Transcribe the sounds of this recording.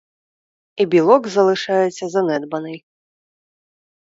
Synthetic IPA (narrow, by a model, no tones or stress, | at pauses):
ibʲilˠɔɡzɐlˠɨʂajɛsʲɐzɐnɛd̪bɐnɐj